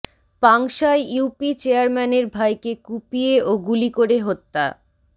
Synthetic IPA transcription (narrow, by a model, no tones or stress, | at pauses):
paŋʃaeuwpit͡ɕeaɾmɛneɾbʱajkekupieʔoɡulikoɾeɦot̪ːa̰